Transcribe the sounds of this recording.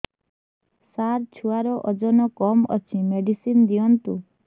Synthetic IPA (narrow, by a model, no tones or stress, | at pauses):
saɾt͡ʃʰuaɾɔʔɔd͡ʒɔnɔkɔmɔ̰t͡ʃʰimeɖisind̪iɔnt̪ṵ